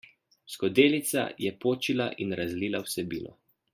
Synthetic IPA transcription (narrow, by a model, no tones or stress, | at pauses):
skɔd̪eːlit̪sa̰jɛpoːt͡ʃilaʔinɾazliːlawsɛbiːnɔ̰